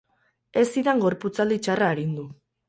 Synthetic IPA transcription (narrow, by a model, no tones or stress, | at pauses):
e̞siðaŋɡo̞ɾput͡sald̪it͡ʃaraːɾind̪u